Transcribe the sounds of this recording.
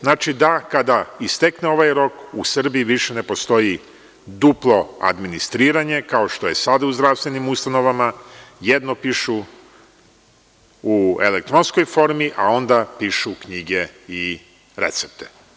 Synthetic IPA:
znaːt͡ʃid̪akad̪aist̪ekneo̞ʋajɾo̞kusr̩biiʋiʃe̞ne̞po̞st̪o̞ji | d̪uplˠo̞a̰d̪minist̪ɾiːɾaɲe̞kao̞ʃt̪oje̞sad̪auzd̪ɾast̪ʋe̞nimust̪ano̞ʋamajed̪nopiːʃu | uḛlek̚t̪ɾo̞nsko̞jfo̞ɾmiʔao̞nd̪apiːʃukɲiɡe̞i | ɾḛt̪se̞p̚t̪ʰe̥

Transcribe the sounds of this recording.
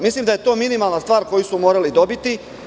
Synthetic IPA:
mislˠiːmd̪ajet̪o̞ːminimalˠnast̪ʋaːɾko̞jisumo̞ːɾalid̪o̞bit̪i

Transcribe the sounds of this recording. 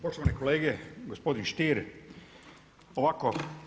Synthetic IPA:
poʃt̪oʋanekoleːɡeɡospo̞d̪inʃt̪iːɾ | oʋako

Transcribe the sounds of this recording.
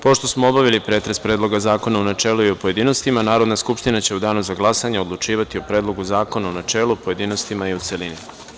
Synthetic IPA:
po̞ʃt̪o̞smoobaʋilipɾe̞ːt̪ɾe̞spɾe̞ːd̪lˠo̞ɡazaːko̞naunat͡ʃe̞ːluiopo̞je̞d̪ino̞st̪imanaːɾo̞d̪naskupʃt̪inat͡ɕe̞ud̪aːnuzaɡlˠasaɲeo̞d̪lˠut͡ʃiːʋat̪io̞pɾed̪lˠo̞ɡuzaːko̞naunat͡ʃe̞ːlupo̞je̞d̪ino̞st̪imaiut̪se̞lini

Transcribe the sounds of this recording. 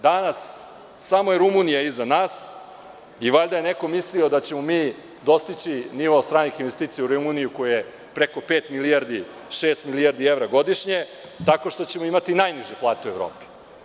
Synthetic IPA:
d̪anasː | amo̞jeɾumunijaizanaːs | iʋaʎd̪aje̞ne̞ko̞mislio̞d̪at͡ɕe̞mo̞miː | d̪o̞st̪it͡ɕiniʋoːst̪ɾaːnixinʋe̞st̪iːt̪sijauɾumunijukojeje | pɾeko̞peːt̪miliaɾd̪i | ʃeːst̪miliaɾd̪ieʋɾaɡo̞d̪iʃɲe̞ | t̪ako̞ʃt̪o̞t͡ɕe̞moimat̪inajniʒeplˠaːt̪eue̞ʋɾo̰ːpɛ̥

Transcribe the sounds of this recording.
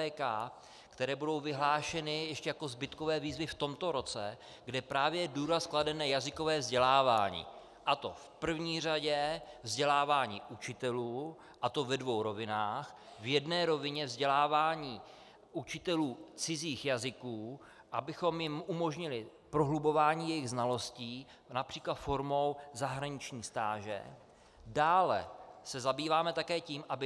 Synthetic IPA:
ɛːka | kt̪ɛɾɛːbudo̞wvɪɦlaːʃɛnɪjɛʃcɛjako̞zbɪt̪ko̞vɛːviːzvɪft̪o̞mt̪o̞ɾo̞t͡sɛ | ɡdɛpɾaːvjɛduːɾaskladɛnɛːjazɪko̞vɛːvzɟɛlaːva̰ːɲḭː | ʔat̪o̞fpr̩vɲiːraɟɛvzɟɛlaːvaːɲḭːʔut͡ʃɪt̪ɛluː | ʔat̪o̞vɛdvo̞wɾo̞vɪnaːxvjɛdnɛːɾo̞vɪɲɛvzɟɛlaːvaːɲiː | ʔut͡ʃɪt̪ɛluːt͡sɪziːxjazɪkuː | ʔabɪxo̞mjɪmumo̞ʒɲɪlɪpɾo̞ɦlubo̞vaːɲiːjɛjɪɣznalo̞sciː | napr̥iːklat̪fo̞ɾmo̞wzaɦɾaɲɪt͡ʃɲiːst̪aːʒɛ̰ | daːlɛ̰sɛzabiːvaːmɛt̪akɛːciːmʔabɪ

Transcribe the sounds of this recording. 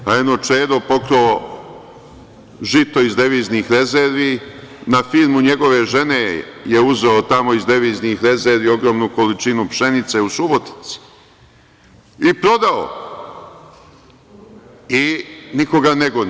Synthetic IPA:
aenot͡ʃeːd̪opo̞kɾo | ʒit̪o̞izd̪eʋiːznixɾe̞zeɾʋiː | nafilmuɲe̞ɡo̞ʋe̞ʒe̞ne̞jeuzeot̪amo̞izd̪eʋiːznixɾe̞zeɾʋio̞ɡɾo̞ːmnuko̞lit͡ʃinupʃe̞nit̪se̞usubo̞t̪i̥t̪si̥ | ipɾo̞d̪ao̰ | iniko̞ɡaneɡon

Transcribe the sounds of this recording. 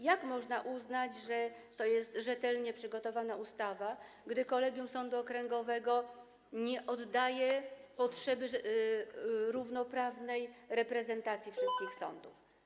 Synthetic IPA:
jakmɔʐnaʔuznad͡ʑʐɛt̪ɔjɛst̪ʐɛt̪ɛlɲɛpʂɘɡɔt̪ɔvanaust̪ava | ɡd̪ɘkɔlɛɡʲjumsɔnd̪uɔkɾɛŋɡɔvɛɡɔ | ɲɛʔɔd̪ːajɛpɔtʂɛbɘ | ɾuvnɔpɾavnɛjɾɛpɾɛzɛnt̪at̪sʲjifʂɘst̪kʲixsɔ̰nd̪uf

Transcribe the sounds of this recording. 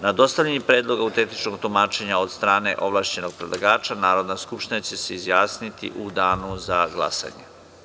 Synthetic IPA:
nad̪o̞st̪aʋʎenipɾeːd̪lˠo̞ɡaut̪et̪it͡ʃnoɡt̪omaːt͡ʃe̞ɲao̞d̪st̪ɾaːne̞̰ʔo̞ʋlˠaːʃt͡ɕe̞no̞ɡ̚pɾed̪lˠaɡaːt͡ʃanaːɾo̞d̪naskupʃt̪inat͡ɕe̞seizjaːsnit̪ḭʔud̪aːnuzaɡla̰sa̰ɲe

